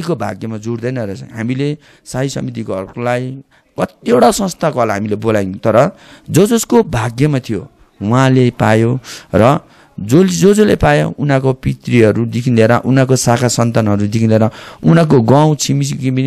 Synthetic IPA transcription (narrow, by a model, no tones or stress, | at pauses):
kobʱa̰ɡjʌmad͡zuɽd̪ʌjnʌɾesã̰ɦamile | saɦisʌ̰mit̪̬iko̰olaj | kʌt̪ieɽasʌ̃st̪ʰakoɦʌlaɦamilebolajnt̪ʌɾʌ | d͡zʌd͡zʌskobʱaɡjʌmat̪ʰijo | wãlepajorʌ | d͡zolid͡zod͡zolepajo̰unãkopit̪riɦʌɾud̪ikʰinleɾʌʔunakosakʰasʌnt̪anɦʌɾud̪ikʰinleɾʌunak̬oɡaw̃t͡sʰimisikimin